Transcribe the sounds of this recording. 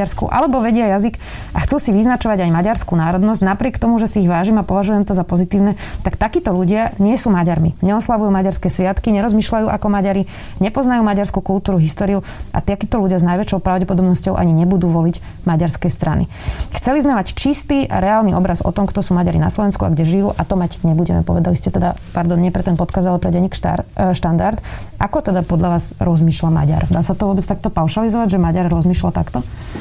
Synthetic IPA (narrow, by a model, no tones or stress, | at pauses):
aɾskṵʔa̰lɛbɔʋɛɟɪajazik | ʔaxt͡suːsiʋiznat͡ʃɔʋaɟajmaɟaɾskunaːɾɔd̪nɔzɟnapɾɪɛkt̪ɔmuʒɛsiiɣʋaːʒimapɔʋaʒujɛmt̪ɔzapɔzit̪iːʊnɛt̪akt̪akiːt̪ɔluɟɪaɲɪɛsuːmaɟaɾmiɲɛɔslaʋujuːmaɟaɾskɛːsʋɪat̪kiɲɛɾɔzmiːʃlajuːʔa̰kɔmaɟaɾi | ɲɛpɔznajuːmaɟaɾskukult̪uːɾuɦist̪ɔːɾiua̰t̪ɪakiːt̪ɔluɟɪaznajʋɛt͡ʃɔʊpɾaʊɟɛpɔd̪ɔbnɔscɔʊʔa̰ɲiɲɛbud̪uːʋɔliɟ | maɟaɾskɛst̪ɾʔanḭ | xt͡sɛlizmɛmact͡ʃist̪iːa̰ɾɛaːlniɔbɾazɔ̰t̪ɔmkt̪ɔsuːmaɟaɾina̰slɔʋɛnskua̰ɡɟɛʒijuːʔat̪ɔmaɟɲɛbuɟɛmɛ̰pɔʋɛd̪aliscɛt̪ɛd̪apaɾd̪ɔnːɲɪɛpɾɛt̪ɛnpɔt̪kazd̪alɛpɾɛɟɛɲiːkʃt̪and̪aɾt̪ | ʔakɔt̪ɛd̪apɔd̪ʎaʋaːzɾɔzmiːʃlama̰ɟa̰ɾd̪aːsat̪ɔʋʊɔbɛt͡st̪ak̚t̪ɔpaʊʃalizɔʋaɟʒɛmaɟaɾːɔzmiːʃlat̪akt̪ɔ